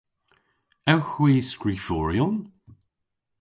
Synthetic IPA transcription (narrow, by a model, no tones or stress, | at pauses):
ɛwxwiːskɹifɔːɹjʊn